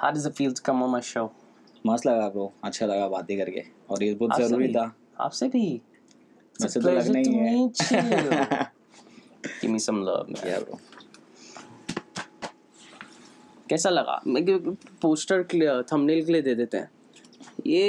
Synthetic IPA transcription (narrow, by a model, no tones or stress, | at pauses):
ha̰ːɾɪzd̪əfiːldkɐ̃mɔmaɪʃoːʊ | mɐslɐɡaːp̚koɐtːʃʰalɐɡabaːt̪̚ikɐɾkḛː | ɔːɾesbʊta̰zɐɾuɾit̪ʰa | a̰ːpsebʱi | ɛset̪lɐɡənaɦĩɛĩt͡ʃi | ɡɪ̰ʋmisɐ̃mlə̰ːʋm̰a̰o̰ | kɛːsalɐɡa̰mpoːsʈəɾkt̪ʰɐmnelkelied̪eːd̪eːt̪eɦɛ̰̃ː | je